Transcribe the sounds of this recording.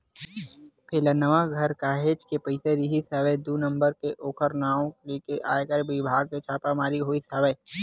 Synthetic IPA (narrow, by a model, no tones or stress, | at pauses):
pʰelənəʋaɡʱɐɾkaːɦeːd͡ʒkepɐɪseɾiɦisəʋəjd̪uːnɐ̃mbəɾkeʔoːkʰəɾnaːõleːkeʔaːekəɾʋɪbʱaːɡ̚ket͡ʃʰaːpamaːɾiɦoːisəʋəj